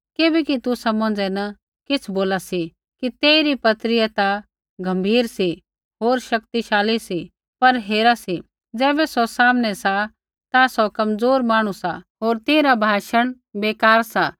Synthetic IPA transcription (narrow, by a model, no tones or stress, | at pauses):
keːbɛkit̪usɐmɔ̃nd͡zɛnɐ | kɪt͡sʰboːlasi | kit̪eːiɾipɐt̪ɾɪjat̪a | ɡʱɐ̃mbʱiːɾsi | ɦoːɾʃɐkt̪iʃaːlisi | pɐɾɦeːɾasi | d͡zɛːbɛsɔsaːmnɛsa | t̪asɔkɐmd͡zoːɾmaːɽ̃usaɦoːɾt̪eːɾabʱaːʃəɽ̃ | beːkaːɾsaː